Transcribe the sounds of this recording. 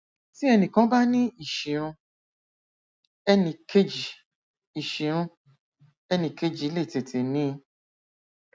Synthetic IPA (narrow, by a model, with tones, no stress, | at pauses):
ti˦ɛ˧nĩ˨kã˦ba˦nĩ˦i˨ʃi˨ɾ̃ũ˧ | ɛ˧nĩ˧˨ke˦d͡ʒi˨ | i˨ʃi˨ɾ̃ũ˧ | ɛ˧nĩ˧˨ke˦d͡ʒi˨˦le˦˨te˨tʰe˨nĩ˨˦˧